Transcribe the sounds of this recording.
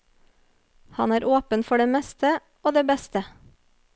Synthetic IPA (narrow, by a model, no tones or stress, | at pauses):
hɑnæːɾʔoːpənfɔɖeːmɛst̪ʰə | oːd̪eːbɛst̪ə